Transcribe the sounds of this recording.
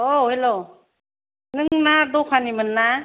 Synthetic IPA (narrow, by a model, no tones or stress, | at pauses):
ohelo | nɯŋnadɔkʰanimɯnːa